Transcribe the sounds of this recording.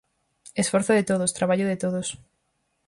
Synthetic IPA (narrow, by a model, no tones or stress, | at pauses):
esfoɾθoðet̪oðost̪ɾaβ̞aʎʊðɪt̪oðos